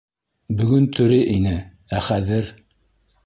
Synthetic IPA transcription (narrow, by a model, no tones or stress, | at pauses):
bɵ̆ɡɵnt̪ʰɵ̆ɾɘʔinɘ | æχæðɘɾ